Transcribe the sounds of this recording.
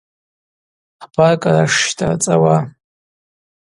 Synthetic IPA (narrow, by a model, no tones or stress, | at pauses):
ħbakʼaɾaʂtʼa̰t͡sʼawa